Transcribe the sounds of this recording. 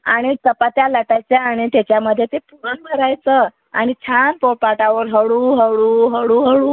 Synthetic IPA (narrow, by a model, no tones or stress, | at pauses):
a̰ɽ̃it̪əpat̪jaləʈajt͡sjeaɽ̃it̪at͡ɕjaməd̪ʱːjet̪epuɾənbʱəɾajt͡sə | a̰ɽ̃it͡ɕʰanpopaʈaʋəɾɦəɭuːɦəɭuːɦəɽuɦəɽuː